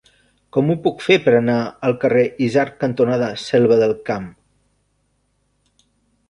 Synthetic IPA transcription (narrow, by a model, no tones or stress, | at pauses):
kɔmupukfepəɾənaəlˠkəreʔizarkənt̪unaðəsɛlˠβəðəlˠkam